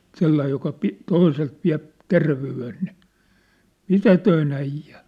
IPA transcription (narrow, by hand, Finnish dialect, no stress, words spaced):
selːɑij jokɑ pi toiselt ʋiæ̝p terʋeyen ni mitætøin æijˑæ